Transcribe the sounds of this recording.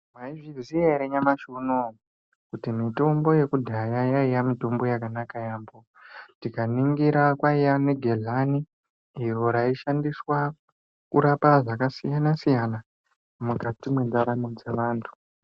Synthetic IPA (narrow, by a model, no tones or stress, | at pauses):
mwaivizieɾeɲamaʃuno | kutimito̞mbo̞je̞kudʱajajaijamito̞mbo̞jakanakajaːmbo | tikaniŋɡiɾakwaijaneɡʱeɮaniː | ro̞ɾaiʃandiswa | kuɾapaʐakasijanasijana | muɡʱatimwendaɾamod͡ze̞ʋaːntʰu̥